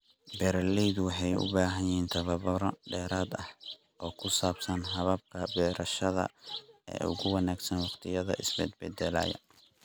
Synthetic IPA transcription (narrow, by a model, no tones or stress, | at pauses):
bɛɾɐlɛjðʊwɑħɑjʊ̰baːɦɐjjiːnt̪ʰɐβɐβɔɾɐɖɛːɾaːd̪ɐh | ʔɔːkʰʊsaːbsɐnɦɐβɐb̚kʰɐbɛːɾɐʃɐðɐ̰ɛ̰ːʔʊ̰ɣʊwɑnaːɡsɐnwɑqt̪ʰɪjɐðɐ̰ʔɪsbɛ̰d̪̚bɛd̪ɛla̰ːjɐ̰